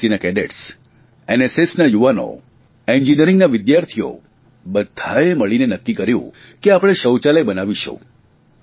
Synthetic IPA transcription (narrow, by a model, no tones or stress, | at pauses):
inakɛɖeʈs | enesesnajuʋano̰ | eɲd͡ʒinəɾĩŋɡnaʋɪd̪jaɾt̪ʰijo̰ | bəd̪ʱaeməɭinenəkːikəɾjṵ̃ | keapəɽ̃eʃəwt͡ʃaləjbənaʋiʃṵ̃